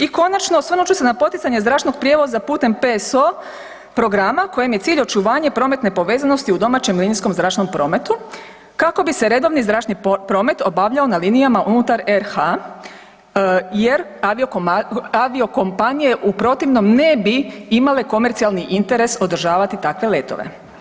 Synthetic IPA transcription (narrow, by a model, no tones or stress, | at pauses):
iko̞nat͡ʃno̞sʋnut͡ʃusenapo̞t̪it̪saɲe̞zd̪ɾaːʃt̪no̞ɡ̚pɾjeʋozapuːt̪e̞mpeso | pɾo̞ɡɾamako̞jemjesiːʎo̞t͡ʃuʋaːɲepɾo̞ːme̞t̪nepo̞ʋe̞ːzano̞st̪iud̪o̞maːt͡ɕemliːnisko̞mzɾaːʃnompɾo̞ːme̞t̪u | kako̞bise̞ɾe̞d̪o̞ʋnizd̪ɾaːʃt̪nipɾo̞me̞t̪o̞baʋʎao̞naliːnijamaʔunut̪aɾeɾha | je̞ɾoaʋio̞ko̞mpanije̞ʔupɾo̞t̪iʋno̞mne̞biimale̞ko̞me̞ɾt̪sialniʔint̪e̞ɾe̞so̞d̪ɾ̩ʒaːʋat̪it̪akʋe̞le̞ːt̪o̞̰ʋḛ